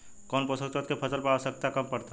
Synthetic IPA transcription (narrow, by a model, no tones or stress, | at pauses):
kɔːnpəsəkət̪̚kepʰɐsəlpəɾasək̚t̪akɐmpɐɾt̪a